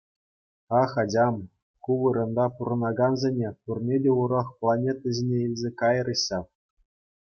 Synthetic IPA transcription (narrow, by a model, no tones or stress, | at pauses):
ɑχɑd͡ʑɑm | kuʋɯɾɤ̆nd̪ɑpuɾɤ̆nɑɡɑnzʲenʲepurnʲedʲeuɾɑχplˠɑnʲet̪ɑzʲenʲeilʲzʲekɑjɤrɤ̆ɕːɑ